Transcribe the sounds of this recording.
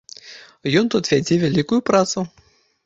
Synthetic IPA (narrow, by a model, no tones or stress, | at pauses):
jɔnt̪ut̪vʲɛd͡z̪ʲivʲɛlʲikʊjʊpɾat̪sʊ